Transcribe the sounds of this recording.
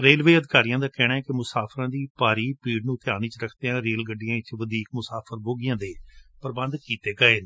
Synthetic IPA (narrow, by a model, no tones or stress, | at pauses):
ɾeːlʋeːəd̪ɪkaːɾijãːd̪aːkɛːɽaːɛːkɪmʊsaːpʰɾãːd̪iːpaːɾiːpiːɖnũːt̪ʰɪaːniːt͡ʃɾəkʰt̪eːãːɾeːlɡəɖːɪjãːɪt͡ʃʋəd̪iːk̚mʊsaːpʰəɾboːɡɪjãːd̪eːpəɾbə̃nd̪kiːt̪eːɡəeːn